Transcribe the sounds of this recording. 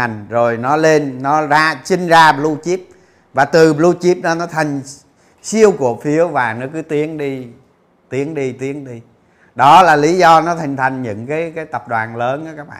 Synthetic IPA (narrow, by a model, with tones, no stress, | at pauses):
ŋzo˨˩jnɔ˨˦le˧nːɔ˨˦zaː˧si˧ŋ̟zaː˧ɓlu˧t͡ɕi˦˥p̚ | vaː˨˩t̪ɨ˨˩ɓlu˧t͡ɕi˦˥p̚ɗɔ˨˦nɔ˨˦t̪ʰa˨˩ŋ̟ | si˧əwku˨˩ək̚fi˨˦əwvaː˨˩nɔ˨˦kɨ˨˦t̪i˨˦ənɗi˧ | t̪i˨˦əŋɗi˧t̪i˨˦ənɗi˧ | ɗɔ˨˦laː˨˩li˨˦zɔ˧nɔ˨˦t̪ʰa˨˩jŋ̟t̪ʰa˨˩jŋ̟ɲɨ̰˧˥ŋkaː˨˦jkaː˨˦jt̪ə˨˩p̚ɗwaː˨˩nləː˨˦nʔɔ˨˦kaː˦˥k̚ɓa̰ː˧˨